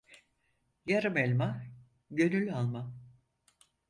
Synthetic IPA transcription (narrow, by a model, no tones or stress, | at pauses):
jaɾɯmɛlʲma | ɟø̞nylʲalˠma